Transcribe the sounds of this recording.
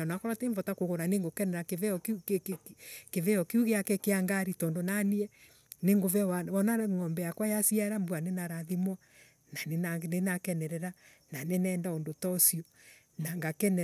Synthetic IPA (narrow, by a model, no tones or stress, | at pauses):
anakɔɾɔteɱvɔtakoɣoɾaneŋɡokɛnɛɾakevɛɔkk | kevɛɔkeuɣeakɛkeaŋɡaɾitɔndonaniɛ | neŋɡovɛwaβɔnaŋɔmbɛjakwajasiaɛɾambwanenaɾaðimwa | naanenakɛnɛɾɛɾa | nanenɛːndaondotɔsiɔ | naŋɡakɛnɛ